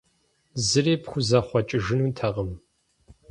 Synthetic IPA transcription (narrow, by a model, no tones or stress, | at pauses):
zɨreːpxʷʊzɐχʷɔt͡ʃʼɪʒɨnuːntʰɐʁəm